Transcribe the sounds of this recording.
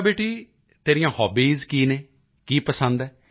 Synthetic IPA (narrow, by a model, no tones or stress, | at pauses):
beːʈiː | t̪eːɾɪjãːhɔːbiːzkiːneː | kiːpəsə̃nd̪ɛː